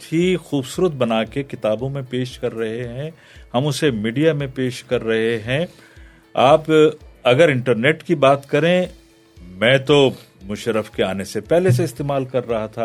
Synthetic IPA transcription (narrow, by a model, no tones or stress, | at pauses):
t̪ʰiːxuːbsuːɾət̪̚bɐnaːkekɪt̪aːbõmẽpeːʃkɐɾːɐɦeɦɛ̃ | hɐmʊsemiːɖijamẽpeːʃkɐɾːɐɦeɦɛ̃ | aːpɐɡəɾɪ̃ɳʈəɾneːʈkibaːt̪kɐɾẽ | mɛ̃ːt̪o | mʊʃɾəfkeaːnesepɛɦles̬eɪst̪eːmaːlkɐɾːɐɦat̪ʰaː